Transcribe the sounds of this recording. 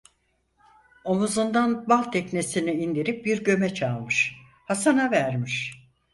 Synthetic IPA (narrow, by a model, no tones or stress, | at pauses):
o̞muzund̪anbalˠt̪ʰɛcnesiniind̪iɾip̚biɾɟø̞mɛt͡ʃʰalˠmɯʃ | hasanavæɾmiʃ